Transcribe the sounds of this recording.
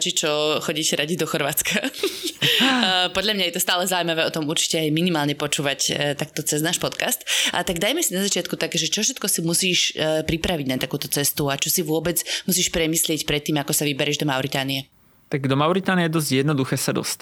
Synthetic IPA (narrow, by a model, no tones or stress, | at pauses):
t͡ʃit͡ʃɔxɔɟiːcɛɾaɟid̪ɔxɔɾʋaːt͡skʰa | pɔd̪ʎʲamɲajɛt̪ɔst̪aːlɛzaujimaʋɛːɔt̪ɔmuɾt͡ʃi̥cɛajminimaːlɲɛpɔt͡ʃuːʋact̪ak̚t̪ɔt͡sɛznaːʃpɔt̪kast̪ʔa̰t̪aɡd̪ajmɛsinazat͡ʃɪat̪kut̪akɛʒɛt͡ʃɔfʃɛt̪kɔsimusiːʃpɾipɾaʋiɟnat̪akuːt̪ɔt͡sɛst̪uat͡ʃɔsiʋʊɔbɛd͡zmusiːʃpɾɛmiːslɪɛcpɾɛt̪ːiːmakɔsaʋibɛɾɛːʒd̪ɔmaʊɾit̪aːniɛ | t̪aɡd̪ɔmaʊɾit̪aːniɛd̪ɔzɟjɛd̪nɔd̪uxɛːsad̪ɔ̰st̪